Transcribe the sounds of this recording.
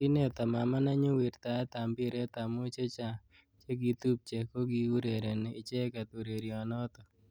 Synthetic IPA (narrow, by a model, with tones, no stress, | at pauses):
ɪ˦nɛ˨t̪a˨ma˨ma˦na˦ɲʊ˦wi˨ɾt̪a˨ɛ˦t̪a˨mbɪ˦ɾe˦t̪a˨mo˦t͡ʃe˦t͡ʃa˨ | t͡ʃe˦ɡi˨t̪u˦p̚t͡ʃe˨ko˦ɡi˦u˦ɾe˨ɾe˨nɛɪ˨t͡ʃɛ˦ka˨t̪u˨ɾe˨ɾiɔ˨nɔ˦t̪ɔ˨